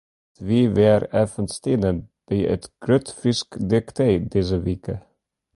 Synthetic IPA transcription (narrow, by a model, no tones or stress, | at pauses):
ʋiːʋeːɾæːfənst̪ʰiːnəb̥̪iːʔɛt̪ɡ̥ɾœt̪fɪskd̪ɪkt̪ʰed̪ɪs̬əʋiːkə